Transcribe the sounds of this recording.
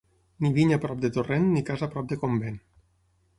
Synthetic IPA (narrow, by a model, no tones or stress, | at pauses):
niβiɲapɾɔp̚d̪et̪orenːikazapɾɔp̚d̪ekomben